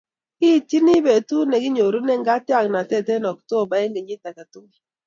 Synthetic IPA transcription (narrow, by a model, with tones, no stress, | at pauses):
i˦˨ti˦ni˦be˨tu˦ne˨ɡi˦ɲo˨ɾu˦ne˦ŋ̩˦ɡa˦ti˦a˦˨kna˨te˦˨te˦nɔ˨k̚to˦˨ba˨˦e˦ŋ˦e˨ɲi˦ta˨ka˨tu˦ŋ˨